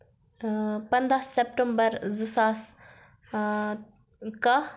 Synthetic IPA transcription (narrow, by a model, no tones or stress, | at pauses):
pɐnd̪aːsep̚ʈəmbəɾzɨsaːs | ka